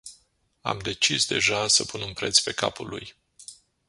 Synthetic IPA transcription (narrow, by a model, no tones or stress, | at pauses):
a̰md̪e̞t͡ʃisd̪e̞̰ʒasəpunumpɾe̞t̪sʲpe̞ka̰puluj